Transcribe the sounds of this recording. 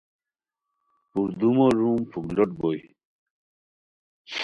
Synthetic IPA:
puɾd̪umoɾumpʰuklɔʈ̚boi

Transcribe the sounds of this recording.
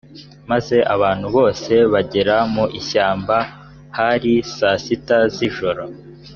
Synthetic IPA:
maze̞ʔaβaːn̥huβo̞ːse̞βaɟeɾamuʔiʃaːmba | haɾisasitaziʒo̞ɾo̞

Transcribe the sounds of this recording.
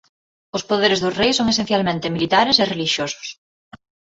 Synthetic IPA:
ʊspoðeɾɪzðʊzrejsõŋesẽn̟θjalmẽnt̪ɪmilit̪aɾɪsɪreliʃjosʊ̥s

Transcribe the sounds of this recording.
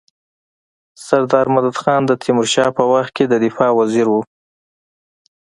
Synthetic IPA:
saɾd̪ɑɾmad̪ad̪xɑnd̪ət̪ʰɪmʊɾʃɑpəwaxt̪̚ked̪əd̪ɪfɑwaziɾwu

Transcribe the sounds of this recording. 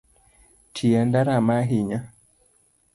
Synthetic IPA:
tʰiɛndaɾamaɦiɲa

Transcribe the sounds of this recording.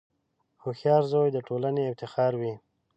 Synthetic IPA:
hoxjɑɾzojd̪əʈʰolaneːft̪ɪxɑɾwi

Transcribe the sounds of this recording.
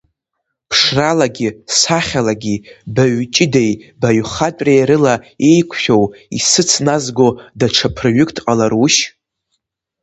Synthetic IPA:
pʰʂralaɡʲisaχʲalaɡʲibaɥt͡ʃʼɪde̞jbaɥχatʼrajɾɨlae̞jkʷʰʃᶣo̞wḭsɨt͡sʰnazɡo̞daʈ͡ʂʰapʰrɨɥɨkʼtʰʼqʼalaruʃ

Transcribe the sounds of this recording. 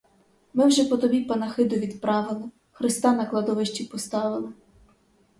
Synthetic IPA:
mɪwʒɛpɔt̪ɔbʲipɐnɐxɪd̪ʊʋʲid̪pɾɑʋɪlˠɪ | xɾɪst̪ɑnɐklˠɐd̪ɔʋɪʃt͡ʃʲipɔst̪ɑʋɪlˠɪ

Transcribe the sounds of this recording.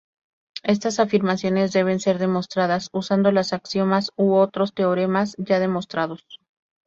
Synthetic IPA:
e̞s̬t̪asafiɾmasjo̞ne̞zðe̞β̞e̞nse̞ɾðe̞mo̞st̪ɾaðasusand̪o̞lasaksjo̞masuo̞t̪ɾo̞st̪e̞oɾe̞masʝaðe̞mo̞st̪ɾaðo̞s

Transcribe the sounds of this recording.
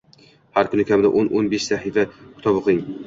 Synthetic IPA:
haɾkʰʊnɪkʰʲamɪd̪a̰ʔonʔonbeʃsahɪfakʲʰʊ̥t̪ʰɒboqɪŋ

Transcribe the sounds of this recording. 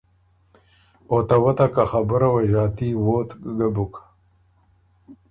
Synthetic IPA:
ot̪awat̪akaxabəɾawaʒɑːt̪iwot̪ɡabuk

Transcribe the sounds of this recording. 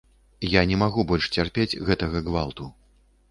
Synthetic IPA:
janʲɛmaɣubɔlʲʂt͡sʲarpʲed͡zʲɣɛt̪ɐɣɐɣvalˠt̪u

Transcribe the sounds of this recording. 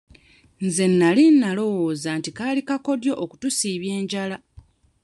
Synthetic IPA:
nze̞nːalinːalo̞woːzaːntikalikako̞djo̞ʔoku̥tusiːβje̞ːɲɟala

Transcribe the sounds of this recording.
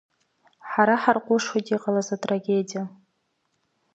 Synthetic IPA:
ħaɾaħarqʷʼʊʂwotʼiqʼalazatʼraɡʲedija

